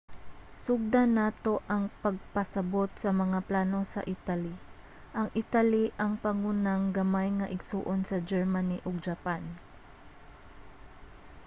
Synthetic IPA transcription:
sʊɡ̚d̪anat̪o̞ʔɐŋpɐɡ̚pɐsɐbo̞t̪̚sɐmɐŋaplaːno̞sɐ̰ʔit̪ali | ʔɐŋʔɪt̪aliʔɐŋpɐŋunaŋɡɐmajŋɐʔɪɡsṵːʔonsɐd͡ʒɛɹmaniʔoɡ̚d͡ʒɐpan

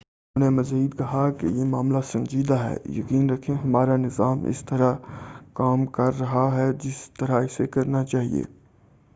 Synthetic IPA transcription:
nẽmɐziːd̪kɐɦakḛjemaːmlasɐ̃nd͡ʒiːd̪aɦɛ̰ːjɐ̰kiːnɾɐkʰẽɦɐmaːɾanɪzaːmɪ̰st̪ɐɾakaːmkɐɾːɐɦaɦɛd͡ʒɪst̪ɐɾaɪsekɐɾnat͡ʃaːɦḭḛː

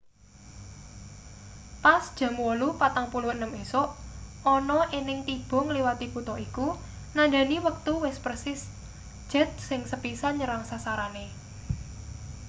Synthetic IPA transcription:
pasd̥ʒ̥a̤mwɔlupat̪aŋpuluhənəmesoʔɔnɔʔenɪŋt̪ib̥ɔ̤ŋliwat̪ib̥ut̪ɔʔiku | naɳɖa̤niwək̚t̪uwɪspərsɪs | d̥ʒ̥ə̤t̪̚sɪŋsəpisanɲəɾaŋsasaɾane

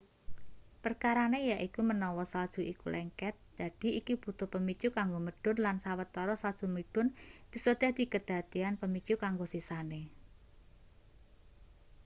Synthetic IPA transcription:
pərkaɾanejaʔikumənɔwɔsald̥ʒ̥ṳʔikṵlʔɛŋkɛt̪̚d͡ʒ̥a̤d̥i̤ikib̥ṳt̪ʊpəmit͡ʃukaŋɡoməɖ̥ʊ̤nlansawət̪ːɔɾɔsald̥ʒ̥umiɖ̥ʊnpisod̪̥a̤hd̪̥i̤kəd̪̥a̤t̪ianpəmit͡ʃukaŋɡosisane

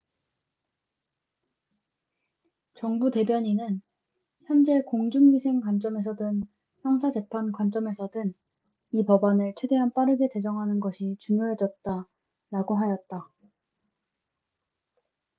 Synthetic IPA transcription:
t͡ɕʌŋbute̞bjʌɲinɯn | çjʌnd͡ʑe̞koŋd͡ʑunɥisʰe̞ŋkwant͡ɕ͈ʌme̞s̬ʰʌdɯn | çjʌŋsʰad͡ʑe̞pʰankwant͡ɕ͈ʌme̞sʰʌdɯn | ipʌbanɯɭt͡ɕʰwe̞de̞ɦanp͈aɾɯɡe̞te̞d͡ʑʌŋɦanɯnɡʌɕʰit͡ɕuŋjoɦe̞d͡ʑʌt̚t͈a | ɾaɡoɦajʌt̚t͈a

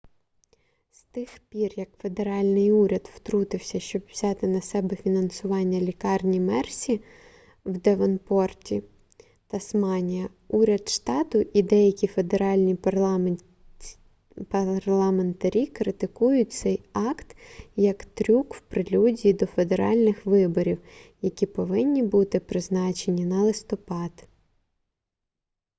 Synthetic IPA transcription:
st̪ɪxpʲirjɐkfe̞d̪e̞ɾɑlʲnɪjuɾʲɐd̪wt̪ɾut̪ɪwsʲɐʃt͡ʃɔbʋz̥ʲɑt̪ɪnɐsɛbɛfʲinɐnsʊʋɑnʲːɐlʲikɑrnʲimɛrsʲi | wd̪eʋɐnpɔrtʲi | t̪ɐsmɑnʲijɐ | uɾʲɐd̪ʃt̪ɑt̪ʊʔid̪ɛjɐkʲife̞d̪eɾɑlʲnʲi | pɐrlˠɐme̞nt̪ɐɾʲikɾɪt̪ɪkujʊt̚ʲt̪sɛjɑkt̪jɐkt̪ɾʲukwpɾɪlʲudʲiːd̪ɔfe̞d̪eɾɑ̰lʲnɪxʋɪbɔɾʲiwjɐkʲipɔʋɪnʲːibut̪ɪpɾɪznɑt͡ʃenʲinɐlˠɪst̪ɔpɑd̪

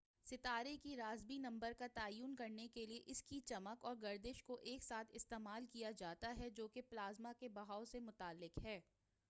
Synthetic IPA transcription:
sɪt̪aːɾekiɾaːzbinɐ̃mbəɾkat̪aːjuːnkɐɾnekelieʔɪskit͡ʃɐməkɔːɾɡɐɾd̪ɪʃkoʔeːksaːt̪ʰɪst̪eːmaːlkijad͡ʒaːt̪aɦɛd͡ʒoːkeplaːzmakebɐɦaːʊsemʊt̪aːlːɪkɦɛː

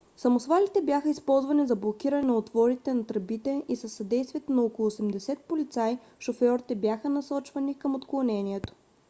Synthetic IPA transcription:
sɐmosvalit̪ɛbjaxəispɔlˠzvɐnizɐblˠokiɾɐnɛnɐot̪vɔɾit̪ɛnɐt̪ɾɐbit̪ɛisɐsːɐd̪ɛjst̪vijət̪nɐɔkolˠoːsɛmd̪ɛsɛt̪̚polit̪saj | ʃofɔɾit̪ɛbjaxənɐsɔt͡ʃvɐnikəmot̪klˠonɛniɛt̪o̥

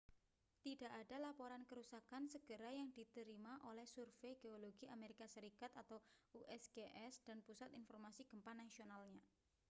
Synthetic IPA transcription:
t̪idaʔad̥alapoɾankəɾusakansəɡ̥əɾajaŋd̥it̪əɾimaʔolɛhsurfejɡ̥eoloɡ̥iameɾikasəɾikat̪at̪awuʔɛsɡeʔɛsd̥a̤npusat̪infɔrmasiɡ̥əmpanasionalɲa

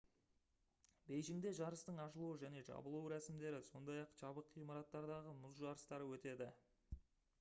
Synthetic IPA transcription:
bejʒɪŋd̪e̞ʒɑɾəst̪əɴɑʃəlˠuwəʒæne̞ʒɑ̰bəlˠuəɾæsɪmd̪e̞ɾɪso̞nd̪ɑjɑqʒ̥ɑbəqʰːijmɑɾɑt̪ːɑɾd̪ɑʁəmʊzʒɑɾəst̪ɑɾəwɵt̪e̞d̪ɪ

